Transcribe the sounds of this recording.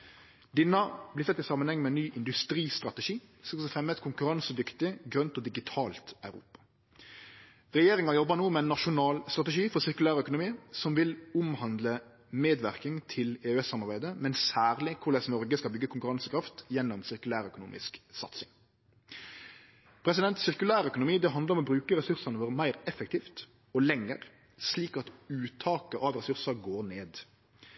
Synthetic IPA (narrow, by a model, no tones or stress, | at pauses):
d̪ɪnɑblɪsɛt̪ːɪsɑːmːənhɛŋːmɛnnyːʔɪnd̪ʉst̪ɾiːst̪ʁɑt̪əʂiː | sɔsfʁɛmːət̪kʰʊŋkʉɾɑnsəd̪ʏkt̪ɪɡɾœnt̪ɔːd̪ɪɡɪt̪ʰɑːlt̪œʉɾṵːpɑ̥ | ʁɛjeːɾɪŋɑjɔbːənuːmɛɛnːɑʃʊnɑːlst̪ɾʁɑt̪ɛʃiːfɔɾsɪʁkʉlæːɾəœkʊnʊmiːsɔmʋɪlʊmhɑnd̪lə | meːd̪ʋæɾkɪŋt̪ʰɪleːɛsːɑmɑʁbæɪd̪əmɛnsæːʁlɪkʰʊɾlɛsnɔɾɡəskɑlbʏɡːəkʰʊŋkʉɾɑnsəkʰɾɑft̪jɛnːɔmsɪɾkʉlæːɾœkʊnṵːmʔɪ̰sksɑ̰t̪sɪŋ | pʰɾɛs̬ɪd̪ɛnt̪sɪʁkʉlæːɾœkʊnʊmiːd̪ɛɦɑnd̪ɾɔmɔbɾʉːkəɾɛsʉɾsɑnəʋoːɾəmæɪɾɛfək̚t̪ʰiːft̪ | ɔlɛŋːə̰ɾ | sliːkɑt̪ʉːt̪ʰɑːkəʔɑʋɾɛsʉɾsɑɾɡoːɾneːd̪